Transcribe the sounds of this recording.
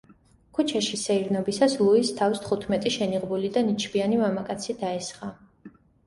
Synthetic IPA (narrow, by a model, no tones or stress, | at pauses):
kʰut͡ʃʰaʃisɛiɾnɔbisaslˠuist̪ʰafst̪ʰχut̪ʰmɛt̪ʼiʃɛniʁbulid̪anit͡ʃʰbianimamakʼat̪sʰid̪aɛsχa